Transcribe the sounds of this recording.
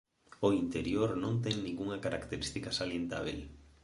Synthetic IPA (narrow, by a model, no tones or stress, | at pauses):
oint̪eɾjoɾnõnt̪ɛŋnĩŋɡuŋakaɾakt̪eɾist̪ikasaljent̪a̰β̞el